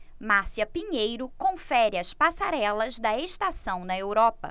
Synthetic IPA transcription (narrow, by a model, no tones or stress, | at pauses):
maɾsiɐpiɲejɾʊkõfɛɾɪɐspasaɾɛlɐzd̪ɐeʃt̪asɐ̃w̃nɐewɾɔpɐ̰